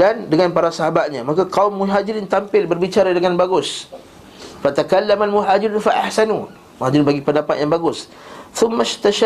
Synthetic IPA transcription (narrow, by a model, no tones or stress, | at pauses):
dandəŋanpaɾasaɦabat̪̚ɲamakakawmːuɦad͡ʒiɾint̪ampɪlbərbit͡ʃaɾadəŋanbaɡʊs | fat̪akalːamalmuɦad͡ʒiɾunfaʔahsanu | muɦad͡ʒɾinbaɡipəndapat̪̚jaŋbaɡʊs | θʊmːaʃt̪aʃa